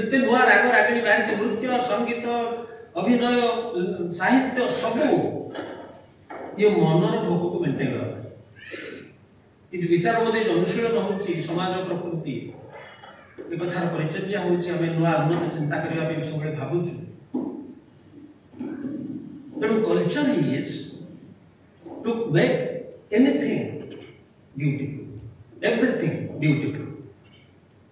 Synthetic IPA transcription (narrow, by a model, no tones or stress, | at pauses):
d͡ʒet̪eluaɾaɡɔɾaɡiɽ̃ibaɾid͡ʒemɾut̪jɔsɔŋɡit̪ɔːbʱinɔjɔsaɦit̪jɔsɔbu | iɔmɔnɔɾɔbʱoɡɔkumeʈeɡɔɔ̰t̪ʰa | kint̪ubit͡ʃaɾɔbɔd̪ejd͡ʒɔnusiɭɔnɔɦowt͡ʃʰisɔmad͡ʒɔpɾɔpɾut̪i | ekɔt̪ʰaɾɔpɔɾit͡ʃɔd͡ʒaɦojt͡ʃʰiamenuaaɡ̪ʱnɔnɔt͡ʃint̪akɔɾibʱabibisɔɡɔlebʱabut͡ʃʰu | t̪omũkɔlt͡ʃɔnies | ʈukbekenit̪ʰĩŋ | ɖjuʈupuebɾit̪ʰĩŋɖjuʈubṵl